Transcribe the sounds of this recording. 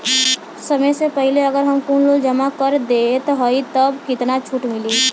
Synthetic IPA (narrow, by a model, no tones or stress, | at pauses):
sɐməjsepɛɦleəɡəɾɦɐmkuːnloːld͡ʒəmakəɾd̪et̪oɦəit̪əbkɪt̪nat͡ʃʰuːʈmɪliː